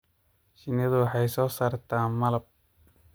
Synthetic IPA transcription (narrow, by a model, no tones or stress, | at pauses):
ʃɪnɪðʊwħɑjsɔːsaːrt̪ʰaːmɐlɐb̚